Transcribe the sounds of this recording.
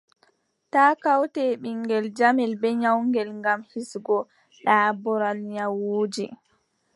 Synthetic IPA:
taːkawtɛɓiŋɡɛld͡ʒamɛlbɛɲawŋɡɛlŋɡamhisɡɔ | ɗaːbɔɾalɲawuːd͡ʒi

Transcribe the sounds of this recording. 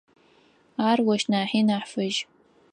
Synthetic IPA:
aːrwɔʃnaːħiːnaːħfɨʒ

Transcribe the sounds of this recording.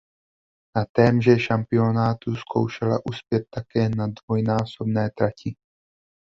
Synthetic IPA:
nat̪ɛːmʒɛʃampɪo̞naːt̪uskʰo̞̰wʃɛla̰ʔuspjɛt̪̚ːakɛːnadvojnaːso̞bnɛːt̪ɾacɪ

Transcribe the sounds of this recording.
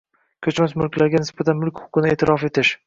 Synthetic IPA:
kʲʰɵt͡ʃmasmʊlˠkʲlaɾɡʲanɪsbat̪ʰanmʊlˠkʲhʊ̥qɨnɪe̞ːt̪ʰɪɾʔɒfe̞t̪ʰɪʃ

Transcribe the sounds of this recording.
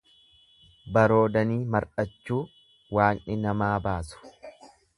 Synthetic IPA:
bɐɾo̞ːd̪ɐniːmɐɾᶑɐt͡ʃːuː | waːnʔɪnɐmaːbaːsʊ̥

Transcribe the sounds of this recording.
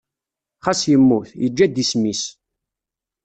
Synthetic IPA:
χasjəmːuθjəd͡ʒːæd̪ismis

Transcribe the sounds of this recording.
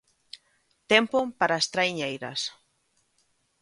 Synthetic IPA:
t̪empopaɾaest̪ɾajɲejɾɐ̰s

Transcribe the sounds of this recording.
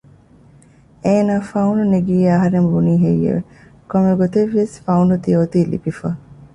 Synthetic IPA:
eːnaːfɐuɳɖuneɡiːɐɦɐɾembuniːɦejːḛʋe | komeɡot̪eʋːiesfɐuɳɖut̪ioːt̪iːlḭbifɐ

